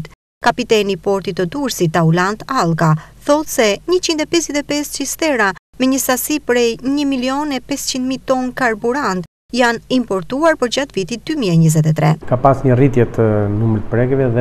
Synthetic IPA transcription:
t̪ | kapit̪ɛnipɔɾt̪it̪ːəd̪uɾsit̪aulant̪alˠɡaθɔt̪sɛɲət͡ɕind̪ɛpɛsjɛt̪ɛpɛst͡ʃist̪ɛɾa | mɛɲəsasipɾɛjɲəmiliɔnɛpɛst͡ɕind̪mit̪ɔnkaɾbuɾant̪ | janimpɔɾt̪uaɾpəɾd͡ʑat̪vit̪id̪ymiɛɲəzɛt̪ɛt̪ɾɛkapasɲərit̪jɛt̪ənumɾpɾɛɡɛvɛðɛ

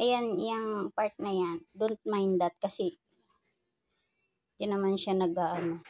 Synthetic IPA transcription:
ʔɐjanjaŋpaɹt̪̚nɐjand̪ʊnt̪̚majnd̪at̪̚kɐsɛ | d͡ʒanɐmanʃanɐɡaːʔɐno

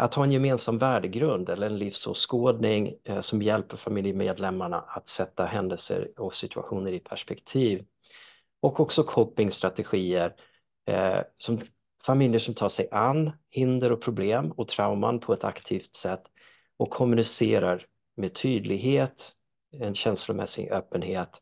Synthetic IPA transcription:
ʔat̪hɑːɛnjɛmeːnsamvæːɖəɡɾɵnd̪ɛlːəɾɛnlɪfsɔ̰skoːd̪nɪŋsɔmjɛlpəɾfamɪljəmeːd̪lɛmːaɳa̰ʔat̪sɛt̪ːaɦɛnd̪əlsə̰ɾɔsɪt̪ʰɵa̰ɧuːnəɾɪpʰæʂpɛkt̪ʰiːv | ɔkɔksɔkʰɔpːɪŋst̪ɾat̪ɛɧiːəɾ | sɔm | famɪljəʂɔmt̪ʰɑːʂɛjʔanːhɪnd̪əɾɔpʰɾʊbleːmɔt̪ʰɾaʊma̰npʰɔɛt̪ʰakt̪ʰiːft̪sɛt̪ː | ɔkʰːɔmɵnɪseːɾaɾ | meːt̪ʰyːd̪lɪɡɦeːt̪ | ɛnɕɛnslʊmʔɛ̰sɪ̰ɡʔøːpːənheːt̪

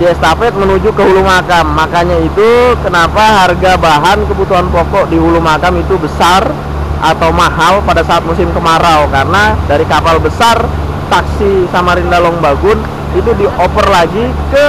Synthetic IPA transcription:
diɛst̪afɛt̪̚mənud͡ʒukəɦulumakamːakaɲait̪ukənapaɦarɡabaɦankəbut̪uɦanpɔkɔʔdiɦulumakamit̪ubəsar | ʔat̪awmaɦalpadasaat̪̚musɪmkəmaɾawkarənadaɾikapalbəsar | t̪aksisamaɾɪndalɔŋbaɡʊn | it̪udiʔɔpərlaɡi | kə

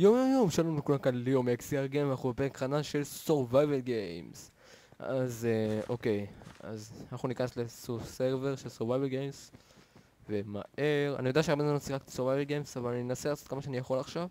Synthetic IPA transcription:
jomjomjo̞mʃalonumekulakanlejomeksiaʁɡejmvanaχubepeʁekχananʃe̞lsoʁvajvelɡems | a̰zo̞ke̞ja̰zanaχnunikaneslesoseʁveʁʃelsoʁvajvelɡems | vema̰ʔe̞ʁa̰nijod̪aʃeaʁbenzmanosiχakt̪i̥soʁvajvelɡejmsavalaninenaselaːt͡so̞t̪kamaʃeanijaχo̞laχʃav

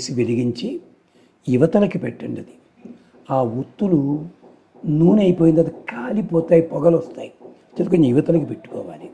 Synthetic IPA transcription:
siʋeliɡiɲt͡ʃi | iʋɐt̪ɐlɐkipeʈːɐɳɖɐd̪i̥ | aːwut̪ːulu | nuːnɐjipoːjind̪ɐd̪ɐkaːlipɔːt̪aːjipɔɡɐlɔst̪a̰ːji | t͡ʃed̪ukoniʋɐt̪ɐlɐkipeʈːu̥kɔ̰ːʋaːli

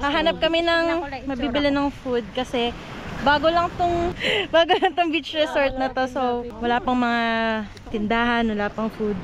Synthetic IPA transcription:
hɐɦaːnɐp̚kɐmɛnɐŋmɐbiːbɪlɪnɐŋfud̪̚kɐsɛ | baːɡolɐŋt̪ʊŋbaːɡolɐŋt̪ʊŋbit͡ʃɹɛsoɹt̪̚nɐt̪o̞sowwɐlaːpɐŋmɐŋa | t̪ɪnd̪aːhɐnwɐlaːpɐŋfud̪̚

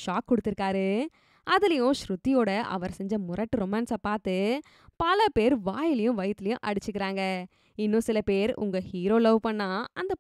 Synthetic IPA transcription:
ʂaːkːɔɽɯt̪ːɪɾɯkːaːɾɯ | ɐðɪlɐjʊ̃ʃɾʊt̪ːɪjoːɽɐʔɐ̰ʋɐɾsɛɲd͡ʒɐmʊɾɐʈːɯɾɔmɛnsaːpaːɾt̪ɯ | pɐlɐpeːɾʋaːjɪlɐjʊ̃ʋɐjt̪ːɪlɐjʊ̃ʔɐɽɯt͡ʃːɯkːɪɾaːŋɡɐ | ɪnːʊ̃sɪlɐpeːɾʊ̰ŋɡɐhiːɾoːlɐʋpɐɳːaːɐnd̪ɐ

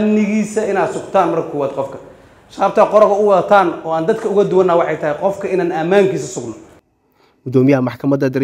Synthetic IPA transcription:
mnɪɣiːsɐɪnaːd̪sʊɡt̪ʰaːnmɐrkʰɐkʰɔːwaːd̪̚qɔfkʰɐ | ʃɐɐːb̚t̪ʰaːqɔɾkɐʊwɐðɐt̪ʰaːnɔːaːnd̪ɐd̪kʰɐʊɣɐd̪ʊwɐnːɐwɑħɑjt̪ʰɐɦɪqɔfkʰɐɪnaːnɐmaːŋkʰiːsɐsʊɡnɔ | ɡ̥ʊd̪ɔːmɪjɐɐmɑħkʰɐmɐd̪ɐd̪ɐɾ

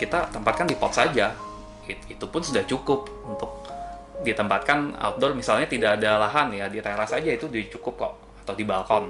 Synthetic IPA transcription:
kit̪at̪əmpat̪̚kandipɔ̰t̪sad͡ʒa | iit̪upʊnsudaht͡ʃukʊp | unt̪ʊk̚ | dit̪əmpat̪̚kana̰wt̪̚dɔrmisalɲat̪idaʔːdalaɦanjadiɾeɾasad͡ʒait̪udit͡ʃukʊp̚kɔ̰ʔ | at̪awdibalkɔn

